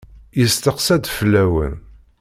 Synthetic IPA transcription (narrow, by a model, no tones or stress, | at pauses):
jəst̪əqsæd̪flːæwə̰n